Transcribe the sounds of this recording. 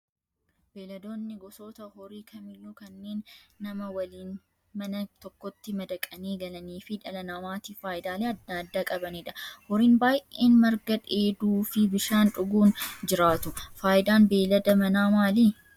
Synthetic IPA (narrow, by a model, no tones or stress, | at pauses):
b̥e̞ːlɐd̪o̞ːnːɪɡɔso̞ːt̪ɐhɔɾiːkʰɐmɪlːuːkɐnːe̞ːnːɐmɐwɐliːn | mɐnɐt̪ɔkːɔt̪ːɪmɐd̪ɐkʼɐneːɡɐlɐniːfɪᶑɐlɐnaːmaːt̪iːfaːjɪd̪aːleːɐd̪aɐd̪ːaːkʼɐbɐneːᶑɐhɔɾiːnbaːjʔeːnmɐɾɡɐᶑe̞ːd̪uːfɪbɪʃaːnᶑʊɡuːnd͡ʒɪɾaːt̪ʊfaːʔɪd̪aːnbe̞ːlɐd̪ɐmɐnaːmaːliː